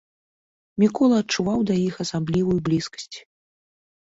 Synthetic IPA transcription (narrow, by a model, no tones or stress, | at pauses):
mʲikɔlˠɐːt̚t͡ʂuvawd̪ɐjixɐsamblʲivujublʲiskɐ̥sʲt͡sʲ